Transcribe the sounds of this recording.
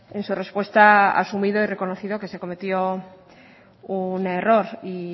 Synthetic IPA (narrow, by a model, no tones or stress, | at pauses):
e̞nsure̞spwe̞st̪aa̰sumið̞oire̞ko̞noθiðo̞ke̞se̞ko̞me̞t̪jo | une̞ro̞ɾi